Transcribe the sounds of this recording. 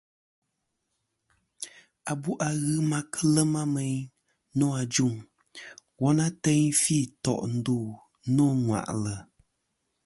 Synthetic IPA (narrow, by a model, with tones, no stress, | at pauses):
a˨bu˦ʔa˨ɣɨ˦ma˦kʰə˦lə˦ma˦mɛ˨˦ɲ | nɔ˦a˨d͡ʒu˦˨ŋ | wɔ˦na˦tɛ˦ɲfi˦˨tɔ̰˨ʔn̩˦duː˦˨ | nɔ˦˨ŋwa̰˨ʔlə˨